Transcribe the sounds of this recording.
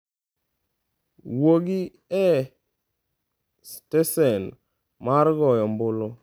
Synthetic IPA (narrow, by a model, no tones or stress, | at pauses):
woɡɪ | ɛ | stɛsɛn | maɾɡɔjɔmbʊlo